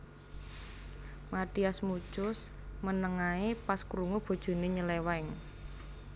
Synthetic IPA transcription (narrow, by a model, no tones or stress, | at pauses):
mat̪iasmu̥t͡ʃʊs | mənəŋaepaskɾuŋub̥o̤d̥ʒ̥o̤neɲəlewaɪŋ